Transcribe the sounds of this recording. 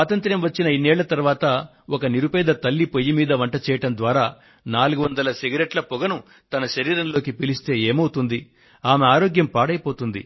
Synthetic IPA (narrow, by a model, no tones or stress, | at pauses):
aːt̪ɐnt̪ɾɐmʋɐt͡ʃːinɐinːɛːɭːɐt̪ɐɾʋaːt̪ɐ | ɔkɐniɾupɛːd̪ɐt̪ɐlːipojimiːd̪ɐʋɐɳʈɐt͡ʃɛːjɐʈɐmnd̪ʋaːɾaː | naːluɡuʋɐnd̪ɐlɐsiɡɐɾeʈlɐpɔɡɐnu | t̪ɐnɐʃɐɾiːɾɐnlo̞ːkipilist̪e̞ːeːmɐwut̪und̪i | aːmeaːɾo̞ːɡjɐmpaːɽɐjpo̞ːt̪und̪ḭ